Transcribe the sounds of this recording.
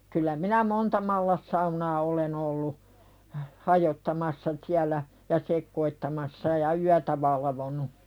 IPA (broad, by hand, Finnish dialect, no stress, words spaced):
kylˑæ minæ montɑ mɑlːɑsːɑunɑː olen olːu hɑjotːɑmɑsːɑ siælːæ jɑ sekːoitːɑmɑsːɑ jɑ yætæ ʋɑlɑʋonu